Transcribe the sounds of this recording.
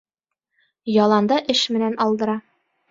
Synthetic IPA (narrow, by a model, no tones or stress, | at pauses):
jɒlˠɑnd̪ɑʔɘʃmɘ̆nænʔɒlˠd̪ɤ̆ɾɑ